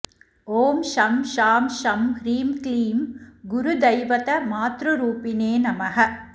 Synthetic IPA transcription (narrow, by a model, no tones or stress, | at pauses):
oːmʃɐmʃaːmʃɐmɾiːmkliːmɡʊɾud̪ɐjʋɐt̪ɐmaːt̪ɾuɾuːpineːnɐmɐɦɐ